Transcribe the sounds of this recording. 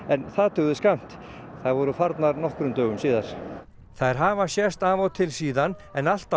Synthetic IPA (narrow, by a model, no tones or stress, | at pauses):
ɛnθaðt̪ʰœɣðʏskam̥t̪θaðvɔɾʏfaɾt̪naɾnɔhkɾʏmt̪œːɣʏmsiːðaɾ̥ | θaðɾ̥ɦaːvasjɛst̪aːvawt̪ʰɪlsiːðanɛnal̥t̪a